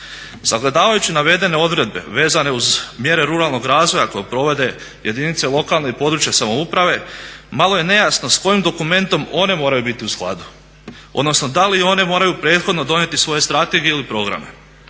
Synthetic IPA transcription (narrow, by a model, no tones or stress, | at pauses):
saɡle̞d̪aːʋajut͡ɕinaʋe̞d̪e̞ne̞o̞d̪ʋɾe̞d̪̚be̞̰ʋe̞ːzane̞uzmje̞ɾe̞ɾuɾalˠno̞ɡɾaːzʋo̞jako̞jepɾo̞ʋe̞d̪e̞ | jʔe̞d̪init̪se̞lˠo̞kalˠneipo̞d̪ɾut͡ɕjasamoupɾaʋe̞malo̞je̞ne̞jasno̞sko̞jimd̪o̞kume̞nt̪o̞mo̞ne̞mo̞ːɾajubit̪iusklˠa̰d̪u | od̪no̞sno̞d̪alio̞ne̞mo̞ːɾajupɾe̞ːt̪xo̞d̪no̞d̪o̞nje̞t̪isʋo̞je̞st̪ɾat̪e̞ɡijeilipɾo̞ɡɾa̰me̞̰